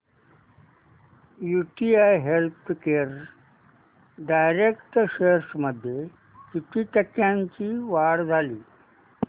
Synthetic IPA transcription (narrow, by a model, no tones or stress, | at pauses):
juʈiajɦelt̪ʰkeɾ | ɖajɾekʈɕeɾsməd̪ʱje | kiʈiʈəkːjãɲt͡ɕiːʋaɽd͡zʱaliː